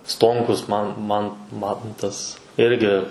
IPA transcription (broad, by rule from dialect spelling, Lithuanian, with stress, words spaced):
ˈstoːŋkʊs mɐn mɐn ˈmɐntɐs ˈɪrʲɡʲɪ